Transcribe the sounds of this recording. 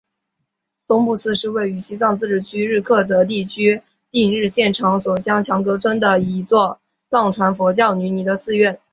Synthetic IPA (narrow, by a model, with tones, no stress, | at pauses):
t͡sʊ˥ŋpu˥˧sɹ̩˥˧ʂɻ̩˥˧we˥˩ɪy˧˥ɕi˥t͡sɑ˥˧ŋt͡sɹ̩˥˧ʈ͡ʂɻ̩˨˩t͡ɕʰy˥ɻɻ̩˥˧kʰɤ˥˩t͡sɤ˧˥t̪̬i˥˩t͡ɕʰy˥ | t̪i˥˧ŋɻɻ̩˥˧ɕjɛ˥˩nʈ͡ʂʰɑ˧˥ŋswɔ˨˩ɕjɑ˥ŋt͡ɕʰjɑ˧˥ŋkɤ˧˥t͡sʰwə˥nd̪ə˨i˧˥t͡swɔ˥˧ | t͡sɑ˥˩ŋʈ͡ʂʰwa˧˥nfwɔ˧˥t͡ɕjɑ˥˩ʊny˧˥ni˧˥d̪ə˧sɹ̩˥˧ɥɛ˥˩n